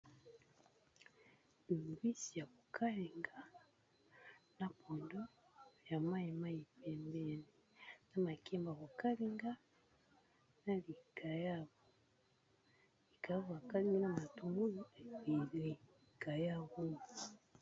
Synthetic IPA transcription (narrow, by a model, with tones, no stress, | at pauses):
ni˨mbwi˦si˨ja˨ko˨kʰa˦lɛ˨ŋɡa˦ | na˦pʰo˨ndo˦ja˨ma˦i˨ma˦i˨pɛ˨mbɛ˦nɛ˨na˦ma˨kɛ˦mba˨ko˨ka˦li˦ŋɡa˦ | na˦li˨ka˨ja˦˨ | li˨ka˨ja˦βo˨a˨ka˦li˦ŋɡna˦ma˨tu˨ŋɡu˦li˦a˨i˨le˦˨ | ka˨ja˦ɣu˦ŋu˨